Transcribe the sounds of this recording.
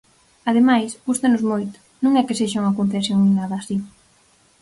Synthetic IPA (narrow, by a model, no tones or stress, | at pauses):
að̞emajsɡust̪anʊzmojt̪ʊ̥ | nũŋɛkɪseʃauŋɐkoɱfesjoŋninaðɐːsi